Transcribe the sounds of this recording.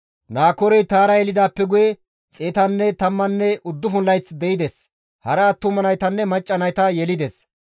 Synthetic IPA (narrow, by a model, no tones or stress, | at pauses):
naːkɔɾɛjt̪aːɾɐjɛlɪd̪aːpːɛɡʊjɛ | t͡sʼeːt̪ɐnːɛt̪ɐmːɐnːɛʊd̪ːʊɦʊnlːɐjt͡sd̪ɛɪd̪ɛs | hɐɾɐːt̪ːʊmɐnɐjt̪ɐnːɛmɐt͡ʃʼːɐnɐjt̪ɐjɛlɪd̪ɛs